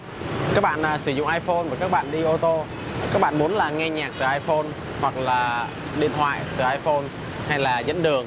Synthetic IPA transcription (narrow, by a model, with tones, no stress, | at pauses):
kaː˦˥k̚ɓa̰ː˧˨nʔəː˨˩sɨ˧˩zʊ̰˧˨ŋ͡mʔaː˧jfo˧nvaː˨˩kaː˦˥k̚ɓa̰ː˧˨nɗi˧ʔo˧t̪o˧˨˩ | kaː˦˥k̚ɓa̰ː˧˨nmu˨˦ənlaː˨˩ŋɛ˧ɲaː˨˩k̚t̪ɨ˨˩ʔaː˧jfo˧n | hwa˨˩k̚laː˨˩ | ɗḭ˧˨ənt̪ʰwa̰ː˧˨jt̪ɨ˨˩ʔaː˧jfo˧n | ha˧jlaː˨˩zə̰˧˥nɗɨ˨˩əŋ